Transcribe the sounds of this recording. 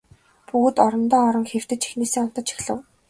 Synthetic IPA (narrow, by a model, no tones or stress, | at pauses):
puɣ̆t̪ɔɾɞ̆nt̪ɔːɔɾɞ̆ŋxew̥t̪ɘ̆t͡ɕi̥xneːseːɔm̥t̪ɞ̆t͡ɕʰi̥xɮɘ̆w